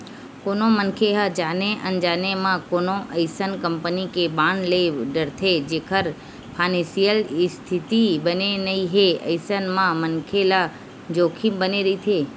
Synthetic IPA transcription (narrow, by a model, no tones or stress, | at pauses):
koːnõmənkʰeɦad͡ʒaːneʔə̰nd͡ʒaːnemãkoːnõʔəɪsənkə̃mpənikebãːɳleɖəɾt̪ʰed͡ʒeːkʰəɾ | pʰaːnesijəlɪst̪ʰɪt̪ibənenɐiɦeə̰ɪsənmãmənkʰela | d͡ʒoːkʰĩmbəneɾɐit̪ʰeː